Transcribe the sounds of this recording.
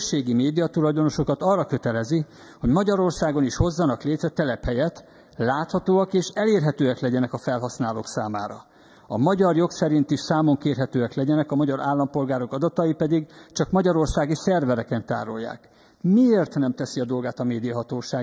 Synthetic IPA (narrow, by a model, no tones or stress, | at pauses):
ʃːeːɡimeːd̪ijɒt̪ulɒjd̪o̞no̞ʃo̞kɒt̪ɒrːɒkø̞t̪ɛlɛzi | ho̞ɟmɒɟɒɾo̞rsaːɡo̞niʃho̞zːɒnɒkleːt̪ɾɛt̪ɛlɛphɛjɛt̪ | laːt̪hɒt̪oːɒkeːʃɛleːrɦɛt̪øːɛklɛɟɛnɛkɒfɛlɦɒsnaːlo̰ːksaːma̰ːɾɒ̰ | ɒ̰mɒɟɒrjo̞ksɛɾint̪iʃsaːmo̞ŋkeːrɦɛt̪øːɛklɛɟɛnɛkɒmɒɟɒɾʔa̰ːlːɒmpo̞lɡaːɾo̞kɒd̪ɒt̪ɒjipɛd̪iɡt͡ʃɒkmɒɟɒɾo̞rsaːɡisɛrvɛɾɛkɛnt̪a̰ːɾo̞̰jːa̰ːk | mieːrt̪nɛmt̪ɛsiɒd̪o̞lɡaːt̪ɒmeːd̪ijɒɦɒt̪oːʃaːɡ